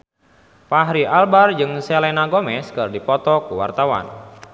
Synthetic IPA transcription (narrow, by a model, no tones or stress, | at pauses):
paɦɾiʔalbard͡ʒɨŋsɛlɛnaɡomɛskɨrdipɔt̪ɔkuwa̰rt̪awa̰n